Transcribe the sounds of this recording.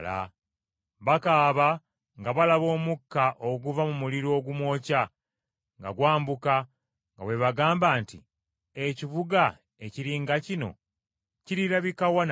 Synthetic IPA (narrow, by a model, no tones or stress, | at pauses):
la̰ | βakaːβa | ŋɡaβalaβo̞ːmukːaʔoɡuvamumuliɾo̞ːɡumwo̞ːca | ŋɡa̰ɡwaːmbuka | ŋɡa̰we̞βaɡaːmbaːntḭ | ecivuɡa | eciɾiːŋɡacino̞̰ | ciɾiɾaβikawan